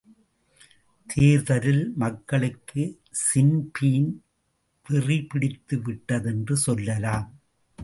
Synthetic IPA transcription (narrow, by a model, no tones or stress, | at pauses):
t̪ʰeːɾðɐɾɪlmɐkːɐɭɯkːɯ | sɪnpiːn | ʋɪripɪɽɪt̪ːɯʋɪʈːɐðɛndrɯsɔlːɐlaːm